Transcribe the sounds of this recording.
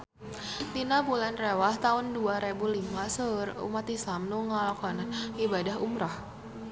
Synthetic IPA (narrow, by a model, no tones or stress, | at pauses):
dinabulanrewaht̪aʊnduaɾebulimasərṵmat̪isamnuŋalɔkɔnanibadaɦumɾah